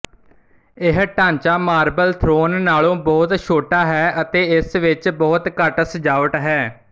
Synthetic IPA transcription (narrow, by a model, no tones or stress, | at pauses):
ɪɦʈãːɲt͡ʃaːmaːɾbəlt̪ʰɾoːnːaːlõːbɔːt̪ʃʰoːʈaːɦɛːʔət̪eːɪsʋɪt͡ʃbɔːt̪kəʈsəd͡ʒaːʋəʈɦɛː